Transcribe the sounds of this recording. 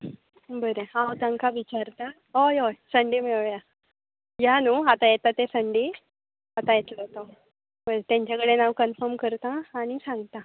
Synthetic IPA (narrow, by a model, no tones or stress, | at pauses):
bəɾeawt̪ãŋkaʋit͡ɕaɾt̪a | ojojsəɳɖimeja | januat̪ajet̪at̪esəɳɖi | at̪ãjet̪ləɦt̪o | bəɾet̪ãɲt͡ɕakəɽenawkənfəɾmkəɾt̪aːɽ̃isãŋɡt̪a